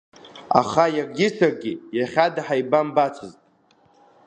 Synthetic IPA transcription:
a̰χajakɡʲɪsarɡʲijaχʲadaħajbambat͡sʷʰɨztʼ

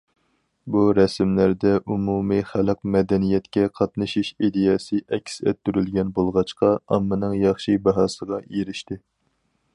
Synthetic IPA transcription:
buɾɛsmlæɾd̪ɛʔumumiχælɨq̚mɛd̪ɛnijɛt̪kʲɛqʰɑt̪nɨʃiʃid̪ejɑsɨʔɛkʲʰsɛ̰t̪ːyɾylɡʲɛnbolˠʁɑt͡ʃqɑɑmːɨnɨŋjɑχʃibɑɦɑːsəʁɑjeɾɪʃt̪ɪ

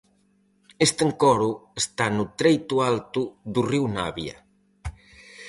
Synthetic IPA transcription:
est̪eŋkɔɾuest̪anut̪ɾejt̪ualt̪uðuriwna̰βjɐ̰

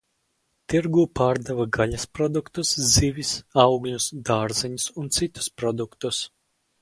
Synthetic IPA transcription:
t̪iɾɡuːpaːɾd̪avaɡalʲaspɾɔd̪ukt̪uszivʲisawɡlʲusd̪aːɾziɲusunt̪sit̪u̥spɾɔd̪ukt̪us

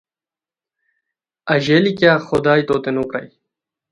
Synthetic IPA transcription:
ɐʑeːlikjaːxʊd̪aːjt̪oːt̪enukɾɐ̰j

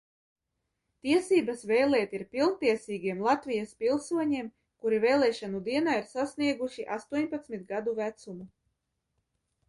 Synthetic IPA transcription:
t̪iɛsiːbasvɛjlˠɛːt̪iɾpilˠnt̪iɛsiːɡʲiɛmlˠat̪vʲijaspilˠsuɔɲiɛm | kuɾivɛjlˠɛːʃanud̪iɛnaːiɾsasniɛɡuʃiʔa̰st̪uɔɲpat̪smit̪ɡad̪uvæt̪sumu

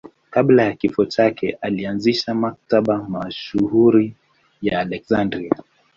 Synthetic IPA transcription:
kaɓlajakifɔt͡ʃakʰɛʔalianziʃamak̚taɓamaʃuhuɾi | jaːlɛkzandɾia

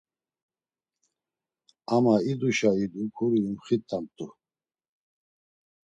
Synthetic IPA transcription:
amaid̪uʃaid̪ukʰuɾiːmχit̪ʼːamt̪ʼu

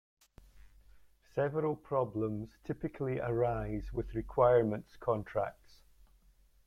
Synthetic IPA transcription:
sɛvəɹəlˠpʰɹ̥ɔblˠə̃mz̥tʰɪpɪkʰəl̩ˠiʔəɹaɪzwɪð̥ɹɪkʰw̥aɪəɹmə̃ntskʰɔ̃ntʰɹ̥a̰k̚ts

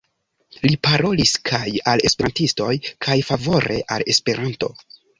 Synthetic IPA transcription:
lipaɾo̞liskʰajale̞speɾantisto̞jkʰajfavo̞ɾe̞̰ʔale̞spe̞ɾʔanto̞̰

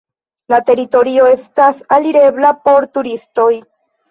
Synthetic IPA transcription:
lat̪e̞ɾit̪o̞ɾio̞e̞stasaliɾe̞blapo̞ɾt̪uɾisto̞j

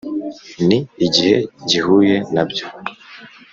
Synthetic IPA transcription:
niːɟihɛɟihujenabjo

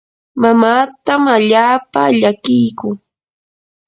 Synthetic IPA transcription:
mamaːt̪amaʎaːpaʎakɪjkʊŋ

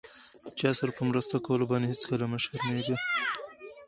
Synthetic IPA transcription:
d̪̥ət͡ʃɑsaɾapəmɾəst̪akawəlobɑnehet͡skəlaməʃaɾnad̪i

